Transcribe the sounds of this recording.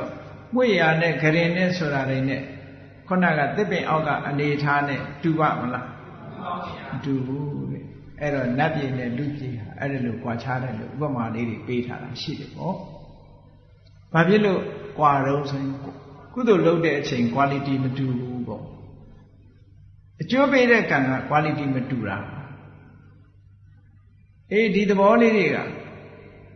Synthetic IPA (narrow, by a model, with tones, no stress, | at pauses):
ɔ˨ | mwe˦˨ja˨nɛ˦˨ɡəɾɪ̃˨nɪ̃˦˨sʰo˨ɾa˨ɾẽ˨nɛ̰˦˨ | kʰo˦˨na˦˨ɡa̰˦˨t̪ɪ˦˨pːɪ̃˨ʔa̰˦ʊkːa̰˦˨ʔəne˨ʔətʰa˦nɛ̰̃˦˨tu˨ba̰˦˨mə˨la˦ | mətu˨bu˦ɛ˨ | ʔɛ˦ɾɔ˨na˦pje˨nɛ̰˦˨lṵ˦˨pje˨ɦa̰˨ʔɛ̰˦di˨lo˨kwa˨t͡ɕʰa˦ɾɛ˨lo̰˦ʔṵ˦pəma˨le˦ɾe˨pe˦tʰa̰˦ɾa̰˨ʃḭ˦˨ɾɛ˨pɔ˦ | b̥a˨pʰjɪ˦lo˦˨kwa˨ɾõ˦ʊ̃nsʰo˨jɪ̃˨ku˦˨d̪o˨lo˦ʊtɛ̰˦˨ʔət͡ɕʰẽ˨ɪ̃ŋkwa˨li˨ti˨mətu˨bu˦bɔ̰˦˨ | ʔət͡ɕo˦pe˦ɾɛ˦˨kã˨ŋɡa̰˦˨kwa˨li˨ti˨mətu˨ɾa̰˨a˨ | ʔe˦˨di˨d̪ə˨bɔ˦le˦ɾe˨ɡa̰˦˨